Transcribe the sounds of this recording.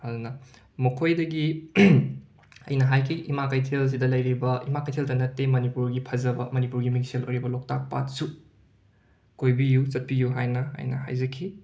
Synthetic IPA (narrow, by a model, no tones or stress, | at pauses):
hɐlnɐ | mɐkʰojdɐɡi | ɐ̰jnɐɦajkʰiʔimakɐjtʰels̬idɐlɐjɾibɐʔḭmakɐjtʰeldɐnɐtːemɐnipuɾɡipʰɐzɐbɐmɐnipuɾɡimikselo̰jɾibɐlok̚tak̚pa̰t̚su | kojbijusɐt̚pijuɦajnɐ̰ːjnɐ̰ha̰jzɐkʰːi